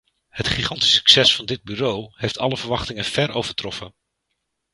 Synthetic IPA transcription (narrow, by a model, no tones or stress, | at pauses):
hətχiχɑntisy̥ksɛsfɑndɪd̚byːrowɦejftɑləvəɹʋɑχtɪŋənv̥ɛɹowv̥əɹtrɔfən